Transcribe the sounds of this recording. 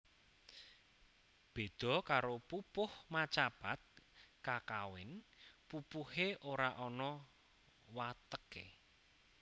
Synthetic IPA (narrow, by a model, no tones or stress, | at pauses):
b̥e̤d̪̥ɔ̤kaɾopupʊhmat͡ʃab̥at̪̚kakawɪnpupuheʔoɾaʔɔnɔ | wat̪əkḛ